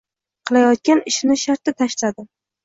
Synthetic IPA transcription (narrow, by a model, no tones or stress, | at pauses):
qʰɨlˠajɒt̪̚kʲanɪʃnɪʃaɾt̪ɪt̪ʰaʃlad̪ɪ